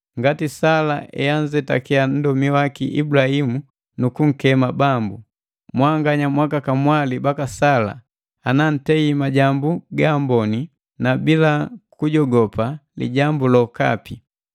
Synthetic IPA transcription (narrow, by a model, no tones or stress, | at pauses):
ŋɡatisalaʔɛ̰jand͡ʒɛta̰kɛan̩dɔmiwakiʔḭbulahimu | nukuŋ̩kɛmabambu | mwaŋɡaɲamwakakamwalibakasala̰ | anan̩tɛimaɟambuɡambɔni | nabilakuɟɔɡɔpalḭɟambulɔka̰pi